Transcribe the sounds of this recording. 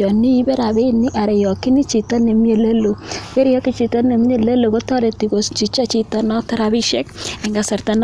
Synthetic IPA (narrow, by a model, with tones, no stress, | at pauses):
ɔ˨nːi˦i˦bɛ˦ɾa˨be˦nːi˦ʔa˨ɾɛ˨jɔ˨ki˦ni˦t͡ʃi˨ta˦ne˨m˦e˦˨le˦lo˨ke˦ɾi˦jɔ˦ki˦t͡ʃi˨ta˦ne˨m˦ɲe˦˨le˦lo˨ko˦ta˦ɾeti˨ko˨st͡ʃi˨t͡ʃa˦t͡ʃi˦ta˦nɔ˦tɐ˦ɾa˦bi˦ʃɛ˦k̚ɛ˨ŋɡa˨sa˨rtan